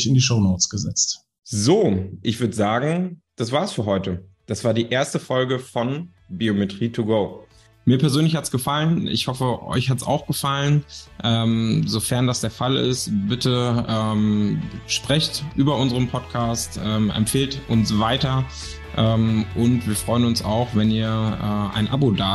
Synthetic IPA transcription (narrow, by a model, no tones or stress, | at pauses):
çɪndiʃoʊnoʊt͡sɡ̥əzɛ̰t͡st | zoːʔɪçv̥ʏɐdəzaːɡŋ̩d̥asv̥aːɐsfyːɐɦɔʏtə | d̥asv̥aːɐdiːʔeːɐstəfɔlɡəfɔn | biometʁ̥iːtʰuɡoː | miːɐpɛɐzøːnlɪçhatsɡ̥əfalənʔɪ̰çhɔfəʔɔ̰ʏçhatsa̰ʊxɡ̥əfalənʔɛːmzofɛɐndasd̥eːɐfalɪ̰stb̥ɪtʰəʔɛːmʃpʁ̥ɛçtʔyːbɐʔʊnzəʁənpʰɔtkʰaːstʔɛːmʔɛ̰mfeːltʔʊnsv̥aɪtɐ | ʔɛːmʔʊntv̥iːɐfʁ̥ɔʏənʊnsa̰ʊxvɛniːɐʔɛːʔa̰ɪnʔa̰bodaː